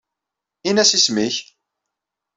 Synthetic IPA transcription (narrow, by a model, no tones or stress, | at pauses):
inæsismiç